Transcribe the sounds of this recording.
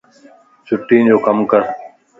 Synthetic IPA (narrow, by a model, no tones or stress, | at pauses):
t͡ɕʊʈːĩːd͡ʑoːkəmkəɾ